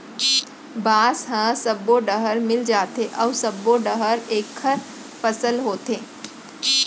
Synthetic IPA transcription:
baːsɦãsɐbːoɖəɦəɾmɪld͡ʒaːt̪eʔɔːsɐbːoɖəɦəɾeːkʰːəɾ | fəsəlɦoːt̪eː

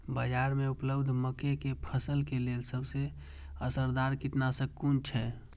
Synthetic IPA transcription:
bəd͡ʒaɾmeupləbd̪ʱməkekepʰəsəlkelelsəbʱse | əsəɾd̪aɾkiʈnasəkːunt͡ʃʰɛ

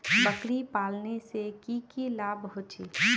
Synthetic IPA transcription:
bəkɾipaːlnesekikilaːbɦot͡ʃḭː

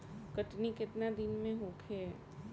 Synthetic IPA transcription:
kəʈnikɪt̪nad̪ɪnmẽɦõːkʰeː

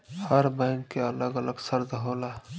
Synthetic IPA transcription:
həɾbɛ̃ːŋkːeələɡələɡsəɾd̪ɦoːlaː

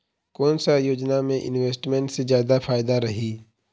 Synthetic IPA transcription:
koːnsajoːd͡ʒnamẽʔɪ̰nweːsʈmẽɳʈsezjaːd̪afʰaːjɪd̪aɾɐɦiː

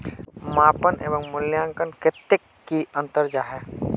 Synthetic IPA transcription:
maːpənʔḛːbə̃ŋmʊljãːŋkənkɪt̪ːɪkːiə̃nt̪əɾd͡ʒaːɦɛː

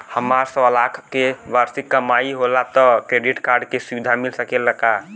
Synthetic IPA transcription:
həmaɾsə̃əlakʰkeʋaɾsikːəmaiɦolat̪ɔkɾeɖiʈkaɾɖkesuʋid̪ʱamilsəkɛləka

